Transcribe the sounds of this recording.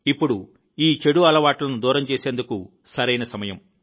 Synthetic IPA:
ipːuɽu | iːt͡ʃe̞ɽuɐlɐʋaːʈlɐnud̪uːɾɐmt͡ʃeːseːnd̪uku | sɐɾɐjnɐsɐmɐjɐm

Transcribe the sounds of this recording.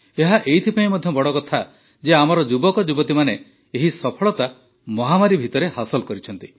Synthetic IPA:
eɦaʔejt̪ʰipaĩmɔd̪ʱjɔbɔɽɔkɔt̪ʰa | d͡ʒeamɔɾɔd͡ʒubɔkɔd͡ʒubɔt̪imane | eɦisɔpʰɔɭɔt̪a | mɔɦamaɾibʱit̪ɔɾehasɔlkɔɾit͡ʃʰɔnt̪i̥

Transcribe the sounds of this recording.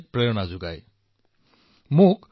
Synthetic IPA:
k̚pɹeɹɔnazʊɡaj | mʊk

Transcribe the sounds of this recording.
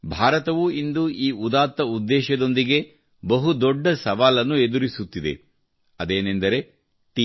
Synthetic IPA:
bʱaːɾɐt̪ɐʋuind̪uʔiːud̪aːt̪ːɐud̪ːɛːʃɐd̪o̞nd̪iɡe̞ | bɐɦud̪ɔɖːɐsɐʋaːlɐnːued̪uɾisut̪ːid̪e̞̰ | ɐd̪eːnend̪ɐɾe̞ | ʈi

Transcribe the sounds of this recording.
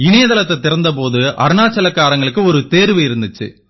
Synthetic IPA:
ɪnɐjɐðɐlɐt̪ːɛt̪ːɪɾɐnd̪ɐp̬oːðɯʔɐ̰ɾɳaːt͡ʃːɐlɐkːaːɾɐŋɡɐɭɯkːɯɔɾɯt̪eːɾɯʋɐjɪɾɯnd̪ɪt͡ʃːɨ̰

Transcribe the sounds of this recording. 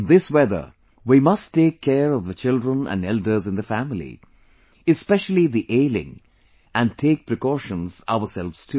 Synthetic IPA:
nðɪswɛðə̰˞ | wimʌstʰːeːkʰːɛːɹɔvðət͡ʃɪldɹə̃næ̰̃nɛldə˞zɨ̃nðəfæmɪlḭ | ɨspɛʃl̩ˠiðiʔeɪlɪ̰̃ŋ | æ̃n̚tʰeɪk̚pɹɨkɔʃə̃nza̰ʊə˞sɛlˠvz̥tʰɨ

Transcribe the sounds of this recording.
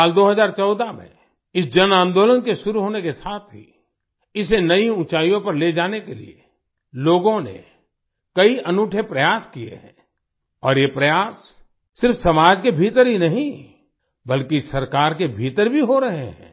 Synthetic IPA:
saːld̪oːɦəzaːɾt͡ʃɔːd̪amḛ̃ | ɪsd͡ʒɐnãːnd̪oːlənkeʃʊɾuɦoːnekesaːt̪ʰɦḭ | ɪs̬enɐiʊt͡ʃaːjõpɐɾled͡ʒaːnekelḭḛ | loːɡõnḛ | kɐiɐnuːʈʰepɾɐjaːskiḛɦɛ̰̃ː | ɔːɾjepɾɐjaːsː | ɪɾfsɐmaːd͡ʒkebʱiːt̪əɾɦinɐɦĩ | bɐlkisɐɾkaːɾkebʱiːt̪əɾbʱiɦoɾɐɦeɦɛ̰̃ː

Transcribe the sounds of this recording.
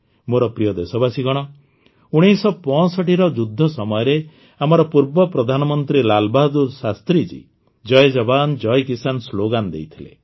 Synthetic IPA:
moɾɔpɾijɔd̪esɔbasiɡɔɽ̃ɔ | uɽ̃isɔpɔsɔʈiɾɔd͡ʒud̪ʱːɔsɔmɔjɔɾe | amɔɾɔpuɾbɔpɾɔd̪ʱanɔmɔnt̪ɾilalbad̪uɾsast̪ɾid͡ʒḭ | d͡ʒɔjd͡ʒɔband͡ʒɔjkisansloɡand̪ḛjt̪ʰilḛ

